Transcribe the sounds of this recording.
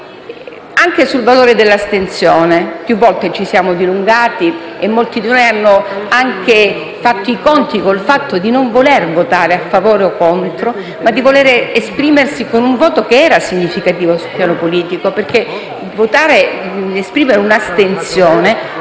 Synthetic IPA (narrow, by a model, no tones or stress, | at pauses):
aŋkesulvaloːɾed̪elːast̪ensjoːnepjuvːɔlt̪et͡ʃisjaːmod̪iluŋɡaːt̪iemːolt̪id̪inojanːoaŋke | fat̪ːoikont̪ikolfat̪ːod̪inoɱvolervot̪aːɾeafːavoːɾeokːont̪ɾo | mad̪ːivoleɾeespɾiːmersikonuɱvɔːt̪okeɛːɾasiɲːifikat̪iːvosulpjaːnopoliːt̪ikoperk̟e | vot̪aːɾeespɾiːmeɾeunast̪ensjoːne